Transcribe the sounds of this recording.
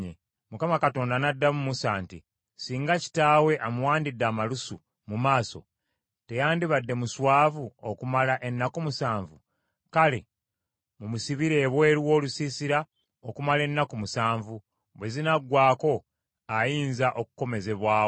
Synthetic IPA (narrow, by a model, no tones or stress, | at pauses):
e | mukamakato̞ːndanadːamumusaːnti | siːŋɡaci̥taːwe̞ʔamuwaːndidːaːmalusu | mumaːso̞̰ | te̞jaːndiβadːe̞muswaːvuokumalaʔe̞nːakumusaːɱvu | kale | mumusiβiɾe̞ːβwe̞ːɾwo̞ːlusiːsiɾa | okumale̞nːakumusaːɱvu | βwe̞zinaɡwaːko̞ | ajiːnzaʔokuko̞me̞ze̞βwaːo